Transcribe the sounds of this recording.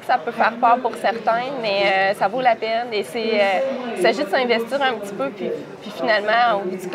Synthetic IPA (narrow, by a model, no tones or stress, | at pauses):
kə̥sapøfɛːʁpœːʁpuʁsɛʁt̪ɛ̃mɛøsavolapɛneseøisaʒid̪əsɛ̃vɛst̪iːʁɛ̃pət̪i̥pøpɥi | pɥifinalmɑ̃oud̪yk